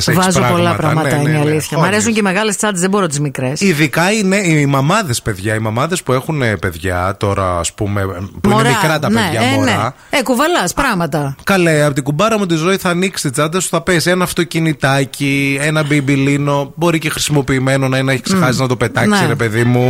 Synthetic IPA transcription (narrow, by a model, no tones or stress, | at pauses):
sevɐzoɾɐolɐɐtpɾɐɐmɐnt̪ɐineɐliθçɐmɐɾesuɲceme̞ɣɐlest͡sɐnd̪ezðebo̞ɾot̪izmikɾesiðikɐine̞imɐmɐðe̞spe̞ðʝɐimɐmɐðe̞spue̞xunepe̞ðʝɐt̪o̞ɾɐ̰ːspume̞poɾmikɾɐt̪ɐneðʝɐmoneɐ | ekuvɐlɐspɾɐɣmɐt̪ɐkɐleɐpot̪iɡubɐɾɐmut̪̬izo̞iθɐːniksist̪it͡sɐd̪ɐsu̥θɐpesenɐːft̪o̞cinit̪ɐcie̞nɐbibilino̞bo̞ɾice̞xɾi̥simo̞piːme̞no̞nɐineçiksexɐsiznɐt̪o̞pe̞t̪ɐksiɾe̞pe̞ðimu